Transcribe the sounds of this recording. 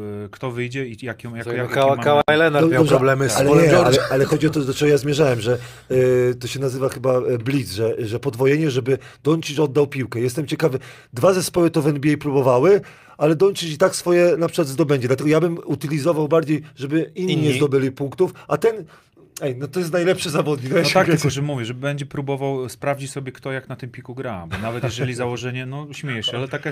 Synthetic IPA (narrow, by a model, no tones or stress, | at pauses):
kt̪ɔvɘjd͡ʑɛijakʲjkawkawajlɛnaɔɔɔblɛmalɛɲɛalɛalɛxɔd͡ʑiɔt̪ɔd̪ɔt͡ʂɛɡɔjazmʲjɛʐawɛmʐɛ | t̪ɔɕɛnazɘvaxɘbablʲid̪zʐɛʐɛpɔd̪vɔjɛɲɛʐɛbɘd̪̥ɔɲʲt͡ʃiʃɔd̪ːawpʲiwkɛjɛst̪ɛmt͡ɕɛkavɘ | d̪vazɛspɔwɘt̪ɔvɛnbʲiɛjpɾubɔvawɘ | alɛd̪ɔɲʲt͡ɕiɕit̪aksfɔjɛnapʂɘ̥kwad̪zd̪ɔbɛɲd͡ʑɛd̪lat̪ɛɡɔjabɘmut̪ɘlʲizɔvawbaɾd͡ʑejʐɛbɘinːiːɲɛzd̪ɔbɘlʲipuŋkt̪ufat̪ɛn | ɛjnɔt̪ɔjɛst̪najlɛpʂɘzavɔd̪ɲid̪ajt̪akɡ̪kɔʐɛmuvʲjɛʐbɛɲd͡ʑɛpɾubɔvawspɾavd͡ʑit͡ɕsɔbʲjɛkt̪ɔjaknat̪ɘmpʲikuɡɾabɔnavɛt̪jɛʐɛlʲizawɔʐɛɲɛnɔɕmʲɛjɛʂalɛt̪akɛ